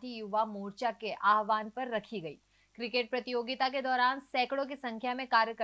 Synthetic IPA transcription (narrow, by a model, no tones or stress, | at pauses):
t̪ijʊʋamoːɾt͡ʃakeʔʔaːɦʋaːnpɐɾːɐkʰiɡɐḭː | kɾɪkeːʈ̚pɾɐt̪ɪjoːɡɪt̪aked̪ɔːɾaːnsɛːkɽõkisɐ̃ŋkʰjamẽkaːɾjəkə